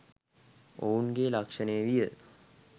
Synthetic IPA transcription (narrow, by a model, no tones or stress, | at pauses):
ouŋɡeːlakʂənejəʋijə